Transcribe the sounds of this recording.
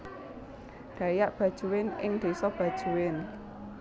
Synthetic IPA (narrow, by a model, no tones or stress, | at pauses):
ɖ̪̥ä̤jaʔb̥ä̤d̥ʒ̥ṳwɪnɪŋd̪̥e̤sɔb̥ä̤d̥ʒ̥ṳwɪn